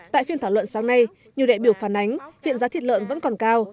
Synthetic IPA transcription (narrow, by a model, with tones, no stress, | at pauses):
t̪a̰ː˧˨jfi˧ənt̪ʰaː˧˩wə̰˧˨nsaː˨˦ŋna˧j | ɲi˨˩əwɗaː˧˨ɓi˧˩əwfaː˧˩nʔa˨˦jŋ̟hḭ˧˨ənzaː˨˦t̪ʰi˨˩t̚lə̰ː˧˨nvə̰˧˥nkɔ˨˩nkaː˧w